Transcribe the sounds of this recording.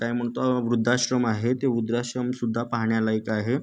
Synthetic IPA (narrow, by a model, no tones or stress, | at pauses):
k̪ajm̤əɳt̪oʋɾud̪ʱːaɕɾəmaɦet̪eud̪ɾaɕɾəmsud̪ʱːapaɦɳjalaikaɦe